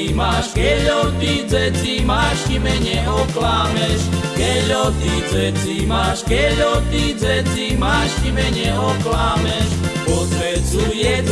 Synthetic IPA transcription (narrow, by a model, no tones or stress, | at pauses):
imaʃkɛʎɔt̪id͡zɛt͡simaːʃtimɛɲɛʔɔklaːmɛʃkɛɔt̪id͡zɛt͡simaːʃkɛʎɔt̪id͡zɛt͡simaːʃt̪imɛɲɛʔɔklaːmɛʃpɔzʋɛt͡sujɛd͡z